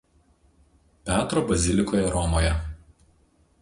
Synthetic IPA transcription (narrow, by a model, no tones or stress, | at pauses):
pʲæːt̪ɾoːbɐzʲɪlʲɪkoːjɛɾɔmoːjɛ